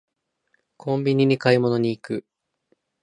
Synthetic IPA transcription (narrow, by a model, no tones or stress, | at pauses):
kʰõ̞mbʲiɲ̟iɲ̟ikaimo̞no̞ɲ̟iːkɯ̟